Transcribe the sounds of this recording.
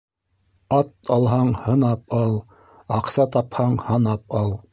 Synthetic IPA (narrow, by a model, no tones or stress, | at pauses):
ɑt̪̚ɑlˠɦɑɴhɤ̆nɑpɑlˠ | ɑqsɑt̪ɑphɑɴhɑnɑp̚ɑlˠ